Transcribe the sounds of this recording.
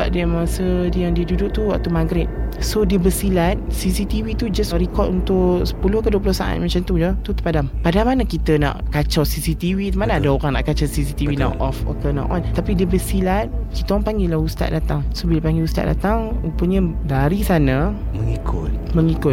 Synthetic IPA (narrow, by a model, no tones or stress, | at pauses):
əba̰p̚diamasədijaŋdiədudʊʔt̪uwa̰ʔt̪umaɡɾet̪̚sodiəbəsilat̪̚sisit̪iwit̪ud͡ʒasɾikɔt̪̚unt̪ʊʔsə̥pulʊhkəduəplʊhsaʔa̰t̪̚mat͡ʃant̪ud͡ʒət̪ut̪əpadampadamanakit̪əna̰ʔkat͡ʃɔsisit̪iwimanaːdaoɾaŋna̰ʔkat͡ʃasisit̪iwina̰ʔɔfa̰kəna̰ʔɔ̰nt̪apidiəbəsilat̪̚kit̪əɔŋpaŋɡelahust̪a̰t̪̚dat̪aŋsobilapaŋɡeust̪a̰t̚da̰t̪aŋupəɲədaɾisanaməŋikʰʊt̪̚məŋikʊt̪̚